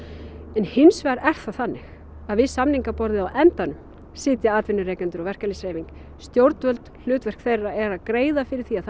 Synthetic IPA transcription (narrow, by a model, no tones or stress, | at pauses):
ɛnhɪnsvaɾɛr̥θaθanːɪx | aðvɪðsamniŋkapɔɾðɪðawʔɛnt̪anʏm | sɪːt̪jaaːt̪vɪnːʏɾɛːkɛnt̪ʏɾɔɣvɛr̥kalɪseːjviŋk | st̪jowɾt̪vœlt̪l̥ʏːt̪vɛr̥kθejraɛɾaðkɾeːjðafɪɾɪɾ̥θia